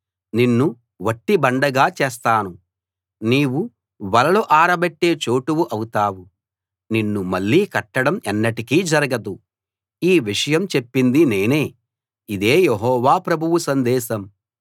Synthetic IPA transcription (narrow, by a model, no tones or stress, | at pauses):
ninːu | ʋɐʈːibɐɳɖɐɡaːt͡ʃeːs̬t̪aːnu | niːwu | ʋɐlɐloːʔaːɾɐbeʈːe̞ːt͡ʃoːʈuwuʔɐwut̪aːwu | ninːumɐɭːiːkɐʈːɐɽɐmɛnːɐʈikiːd͡ʒɐɾɐɡɐd̪u | iːʋiʂɐjɐmt͡ʃepːind̪ine̞ːne̞ː | id̪eːjeɦɔːʋaːpɾɐbʱuwusɐnd̪ɛːʃɐm